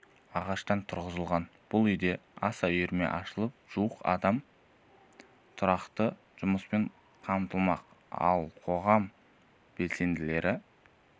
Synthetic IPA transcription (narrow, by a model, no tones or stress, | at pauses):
ɑʁɑʃt̪ɑnt̪ʰʊɾʁəzəlˠʁɑnb̥ʊlˠʏjd̪e̞ɑsɑʏjeɾme̞̰ʔɑʃəlˠəp̚ʒ̥uwəqɑ̰d̪ɑm | t̪ʰʊɾɑqt̪ə | ʒ̥ʊməspeɴ | qʰɑmt̪əlˠmɑqɑ̰lˠqʰo̞ʁɑm | b̥e̞lse̞nd̪ɪle̞ɾʔɪ